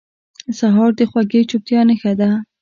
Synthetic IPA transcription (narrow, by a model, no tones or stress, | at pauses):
saɦɑɾd̪əxwaɡet͡ʃʊp̚t̪jɑnəxad̪a